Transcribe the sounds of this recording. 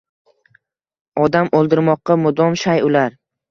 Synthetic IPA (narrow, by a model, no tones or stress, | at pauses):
ɒd̪amolˠd̪ɪɾmɒqːɑmʊd̪ɒmʃajʊlaɾ